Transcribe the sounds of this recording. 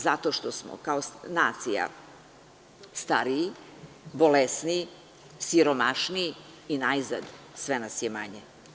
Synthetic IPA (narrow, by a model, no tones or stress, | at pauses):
zat̪o̞ːʃt̪o̞smo̰kaosnaːt̪sija̰ | st̪aɾiː | bolesnii | siɾomaʂniː | inajza̰d̪sʋenasjema̰ɲe